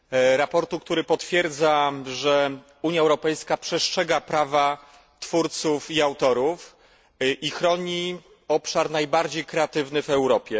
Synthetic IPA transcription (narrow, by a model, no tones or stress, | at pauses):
ɾapɔɾt̪ukt̪uɾɘpɔt̪fʲjɛɾd̪zaʐɛ | uɲjaɛwɾɔpɛjskapʂɛʂtʂɛɡapɾava | t̪fuɾt̪sufiawt̪ɔɾuf | ʔixɾɔɲi | ɔpʂaɾnajbaɾd͡ʑejkɾɛat̪ɘvnɘvɛwɾɔpʲjɛ